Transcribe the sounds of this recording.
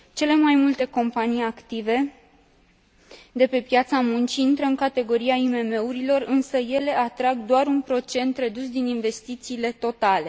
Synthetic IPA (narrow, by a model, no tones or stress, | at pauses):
t͡ʃe̞le̞majmult̪e̞ko̞mpanijakt̪ive̞ | d̪e̞pe̞pjat̪samunt͡ʃiint̪ɾəɨŋkat̪e̞ɡo̞ɾiaime̞me̞uɾilo̞rɨnsəje̞le̞ʔat̪ɾaɡd̪oaɾunpɾo̞t͡ʃe̞nt̪re̞d̪usd̪ininve̞st̪it̪siːle̞t̪o̞t̪ale̞